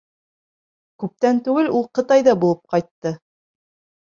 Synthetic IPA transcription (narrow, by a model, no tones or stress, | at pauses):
kʉp̚t̪ænt̪ʉɡɘlulˠqɤ̆t̪ɑjðɑbulˠɤp̚qɑjt̪ːɤ